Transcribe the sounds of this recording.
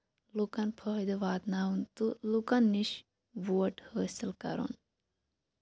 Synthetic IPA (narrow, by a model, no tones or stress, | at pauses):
lukɐnpʰəɦd̪ɨʋaːt̪naːunt̪ulukɐnːiʃ | ʋuːʈhəːsilkɐ̰ɾo̰n